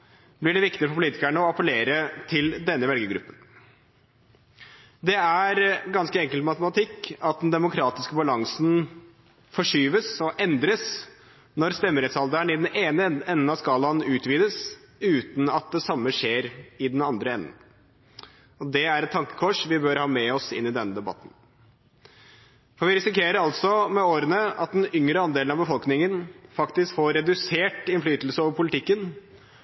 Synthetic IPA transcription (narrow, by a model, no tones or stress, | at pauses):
blɪɖɛʋɪkt̪ɪfɔɾpʰʊliːt̪ɪkæɳəɔɑpəleːɾət̪ʰɪld̪ɛnːəʋɛlɡəɡɾʉ̰pːən | d̪ɛæɾɡɑnskəɛŋkəlt̪mɑt̪əmɑt̪ʰɪkːɑt̪̚d̪nd̪ɛmʊkʰɾɑːt̪ɪskəbɑlɑŋsn | fɔʂyːʋəsɔʔɛnd̪ɾəs | nɔɾst̪ɛmːəɾɛt̪sɑld̪əɳɪd̪ɛneːnəɛnːn̩ɑskɑːlɑnʉːt̪ʋiːd̪əs | ʉːt̪n̩ɑt̪̚d̪ɛsɑmːəʂeːɾɪd̪ɛnɑnd̪ɾəɛnːən | ɔd̪ɛæɾɛt̪t̪ʰːɑŋkə̥kʰɔʂʋɪbœɾhɑːmɛɔsɪ̰nːɪd̪ɛnːəd̪ɛbɑ̰t̪ːn̩ | fɔɾʋɪɾɪsɪkeːɾəɾɑlt̪sɔmɛoːɾənəɑt̪̚d̪ɛnʏŋɾəɑnd̪eːlnɑʋbəfɔlknɪŋənfɑkt̪ɪskfoɾɛd̪ʉseːʈɪnflyːt̪l̩səoːʋəɾpʰʊlɪt̪ʰɪkːən